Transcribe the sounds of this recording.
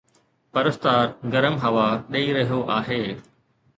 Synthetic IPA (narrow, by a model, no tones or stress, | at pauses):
pɐɾəst̪aːɾɡɐɾəmɦɐʋaɗɐiɾɐɦijoʔaːɦeː